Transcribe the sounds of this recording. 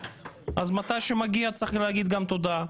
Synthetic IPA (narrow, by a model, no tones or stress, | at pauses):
ʔazmat̪ajʃemaɡiat͡saχleaɡid̪ɡamt̪od̪a